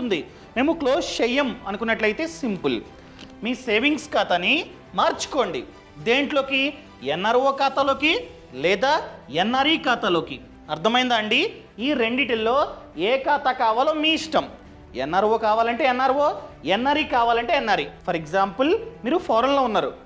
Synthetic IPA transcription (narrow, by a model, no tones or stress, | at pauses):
t̪und̪i | me̞ːmukloːst͡ʃejɐmɐnukunːɐʈlɐjt̪e̞ːsimpɨl | miːseːʋiŋɡskaːt̪ɐni | maːɾt͡ʃi̥ko̞ːɳɖḭ | d̪eːɳʈlo̞ːki | ɛnːaːɾʋoːkaːt̪alo̞ːki | lɛːd̪aːenːaːɾiːkaːt̪alo̞ːki | ɐɾt̪ʰɐmɐjind̪aːɳɖi | iːɾe̞ɳɖiʈilːo̞ː | eːkaːt̪akaːʋaːloːmiːiʂʈɐm | ḛnːaːɾʋoːkaːʋaːlɐɳʈe̞ːɛnːaːɾʋoːɛnːaːɾiːkaːʋaːlɐɳʈe̞ːɛnːaːɾipʰɐɾeɡzaːmpɨlmiːɾupʰɔːɾɐnlo̞ːunːaːɾṵ